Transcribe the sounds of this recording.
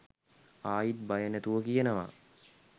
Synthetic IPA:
aːjit̪̚bajənæt̪uʋəkijənəʋa̰

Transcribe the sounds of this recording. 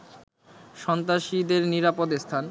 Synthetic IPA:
ʃɔnt̪aʃid̪eɾniɾapod̪est̪ʰan

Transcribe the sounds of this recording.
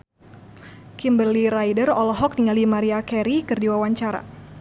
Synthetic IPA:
kimbərliɾajdərɔlɔɦɔk̚tiŋalimaɾiakɛɾikɨrdiwawaɲt͡ʃaɾa̰

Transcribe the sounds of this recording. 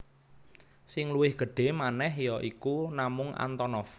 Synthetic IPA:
sɪŋluwɪhɡ̥ə̤ɖ̥e̤manɛɦjɔʔikunamʊŋʔa̰nt̪ɔnɔf

